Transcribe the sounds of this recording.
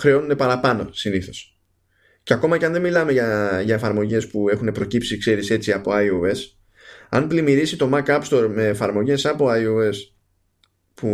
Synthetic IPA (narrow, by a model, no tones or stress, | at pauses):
xɾeo̞nund̪e̞pɐɾɐpɐno̞siniθo̞s | ceɐko̞mɐcɐnðe̞milɐme̞ʝɐʝɐe̞fɐɾmo̞ʝe̞spue̞xune̞pɾo̞cipsikse̞ɾise̞t͡siɐpo̞ɐjoe̞s | ɐnplimiɾisit̪o̞mɐkɐpst̪o̞ɾme̞ːfɐɾmo̞ʝe̞sɐpo̞ɐjoe̞s | pu